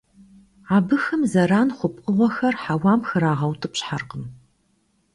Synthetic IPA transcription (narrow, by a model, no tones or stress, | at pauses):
aːbɨxɐmzɐɾaːnχʷʊpʼqʼəʁʷɔxɐrħawaːmxɨɾaːʁɐwtʰɨpɕħarqəm